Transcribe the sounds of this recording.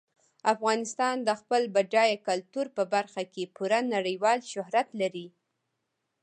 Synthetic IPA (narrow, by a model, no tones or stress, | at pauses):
afɣɑnɪst̪ɑnd̪əxpəlbaɖɑjakalt̪uɾpəbaɾxakepuɾanaɽəjwɑlʃʊhɾat̪laɾi